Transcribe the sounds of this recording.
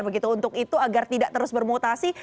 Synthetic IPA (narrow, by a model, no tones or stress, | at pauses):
bəɡit̪uːnt̪ʊkit̪uaɡart̪idaʔt̪əɾʊsbərmot̪asi